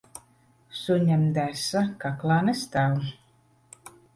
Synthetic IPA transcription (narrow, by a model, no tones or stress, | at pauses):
suɲamd̪æsakaklˠaːnɛst̪aw